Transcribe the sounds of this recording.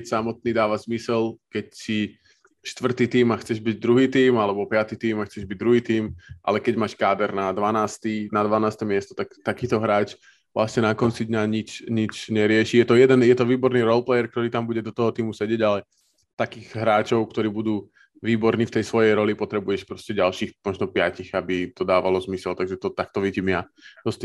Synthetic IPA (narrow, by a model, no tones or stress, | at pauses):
csamɔt̪̚niːd̪aːʋazmisɛlkɛcsi | ʃt̪ʋr̩t̪it̪iːmaxt͡sɛʒbiɟd̪ɾuɦiːt̪iːmalɛbɔpɪat̪it̪iːmaxt͡sɛʒbiɟ̚d̪ɾuɦiːt̪iːmʔa̰lɛkɛɟmaːʃkaːd̪ɛɾnad̪ʋanaːst̪inad̪ʋanaːst̪ɛmɪɛst̪ɔ̥t̪akt̪akiːt̪ɔɦɾaːt͡ʃ | ʋlʔa̰sɲɛnakɔnt͡sid̪ɲaɲit͡ʃɲit͡ʃɲɛɾɪɛʃijɛt̪ɔjɛd̪ɛnjɛt̪ɔʋiːbɔɾniɾɔlplɛjɛɾk̚t̪ɔɾiːt̪ambuɟɛd̪ɔt̪ɔɦɔt̪iːmusɛɟɪjɛɟalɛ | t̪akiːɣɦɾaːt͡ʃɔʊk̚t̪ɔɾiːbud̪uː | ʋiːbɔɾniːft̪ɛjsʋɔjɛjɾɔlipɔt̪ɾɛbujɛʃpɾɔscɛɟalʃiːxmɔʒnɔpɪaciɣabit̪ɔd̪aːʋalɔzmisɛlt̪aɡʒɛt̪ɔt̪ak̚t̪ɔʋiɟimɪja | d̪ɔst̪